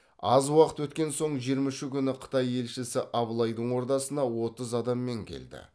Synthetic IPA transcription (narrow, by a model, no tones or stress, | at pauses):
ɑzwɑqət̪wɵt̪kʲe̞nso̞ɴʒijəɾmɑʃɪkʲʰʏnɪqʰə̥t̪ɑje̞lʃɪsɪʔɑblˠɑjd̪əɴwo̞ɾt̪ɑsənɑwo̞t̪əzɑd̪ɑmːe̞ŋkʲʰḛld̪ɪ̰